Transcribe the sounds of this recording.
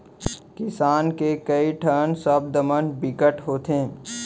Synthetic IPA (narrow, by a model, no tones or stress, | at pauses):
kɪsaːnkekəiʈʰəːnsəb̚d̪əmənbɪkəʈɦoːt̪ẽː